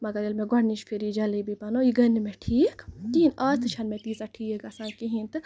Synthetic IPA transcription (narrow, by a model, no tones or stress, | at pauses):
mɐɡɐɾelmẽɡɐɽniʃpʰiɾiːd͡ʒɐlibipɐnoiɡɐnːimeʈʰiːkt̪iinaːst̪ʰɨt͡ʃʰɐnmẽt̪iːsaʈʰiːkɐsaːnkiɦint̪ɨ